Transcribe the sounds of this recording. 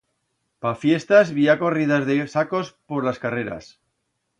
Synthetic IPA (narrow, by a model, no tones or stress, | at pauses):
pafje̞st̪azβiako̞rið̞azðesako̞spoɾlaskareɾa̰s